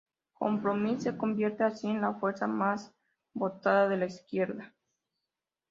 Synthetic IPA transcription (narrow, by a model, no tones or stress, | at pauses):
ko̞̰mpɾo̞misːe̞ko̞mbje̞ɾt̪e̞asie̞nlafwe̞ɾsamas | bo̞t̪aðaðe̞laiskje̞ɾða